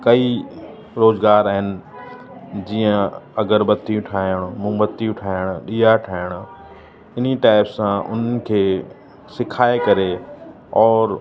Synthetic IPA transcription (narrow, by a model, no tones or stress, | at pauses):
kɐi | ɾoːzɡaːɾaːɦɪnɪ̆ | d͡ʑiːə̃ɐɡəɾbɐt̪iũʈʰaːəɽ̃mũːbɐt̪ːijũʈʰaːɪəɽ̃ʊɗiːaʈʰaːɪɽ̃ʊ | ɪniʈaːɪpsːãʔʊ̰n̤ən̆kʰeː | sɪkʰaːekɐɾe | ɔːɾ